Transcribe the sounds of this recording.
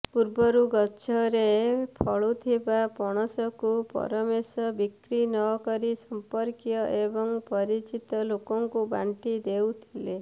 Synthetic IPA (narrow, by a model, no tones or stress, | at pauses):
puɾbɔɾuɡɔːt͡ʃʰɔɾepʰɔɭut̪ʰibapɔɽ̃ɔsɔkupɔ̰ɾɔmesɔbikɾinɔkɔɾisɔmpɔɾkjɔʔebɔŋpɔɾit͡ʃit̪ɔlokɔŋkubaɳʈid̪ewt̪ʰile